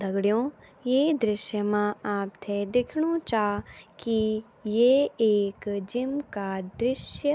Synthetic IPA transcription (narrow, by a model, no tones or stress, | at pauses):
d̪ʱɐɡɽijõːjeːd̪ɾɪʃjəmãaːp̚t̪ʰɛd̪ɪkʰɽ̃õt͡ʃaːki | jeːeːkd͡ʒɪmkad̪ɾɪʃjə